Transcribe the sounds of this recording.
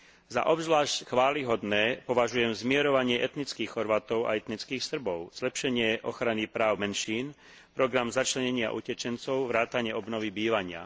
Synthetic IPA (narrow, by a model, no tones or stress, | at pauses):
za̰ʔɔbzʋlaːʃcxʋaːliɦɔd̪nɛːpɔʋaʒujɛmzmɪɛɾɔʋaɲɪɛʔɛt̪nit͡skiːxxɔɾʋaːt̪ɔʊa̰ɛt̪nit͡skiːxsr̩bɔʊz̥lɛpʃɛɲɪɛʔɔxɾanipɾaːʊmɛnʃiːn | pɾɔɡɾamzat͡ʃlɛɲɛɲɪa̰ʔṵcɛt͡ʃɛnt͡sɔʊʋɾaːt̪aɲɪɛɔbnɔʋibiːʋaɲɪa̰